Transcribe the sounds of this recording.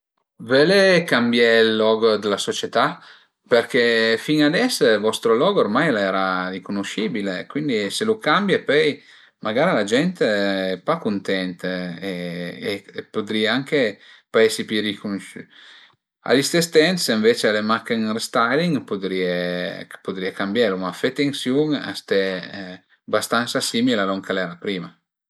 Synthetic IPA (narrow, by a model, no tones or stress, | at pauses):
velekambjɛlːɔɡod̪elasot͡ʃet̪a | perk̟efiŋad̪ɛslvɔst̪ɾolɔːɡoormajlɛːɾarikonoʃibilekwind̪iselokambjapɛj | mʔaɡaːɾilad͡ʒɛnt̪eɛpːakːont̪ɛnt̪eeː | pod̪ɾiaaŋkepaesipiɾikunʃy | a̰list̪est̪ɛnt̪siɱvet͡ʃealemakeŋrest̪ajliŋpod̪ɾiepod̪ɾiakambjalumafet̪eŋsjuŋa̰st̪ɛ | bast̪ansasiːmilealoŋkelɛːɾapɾiːma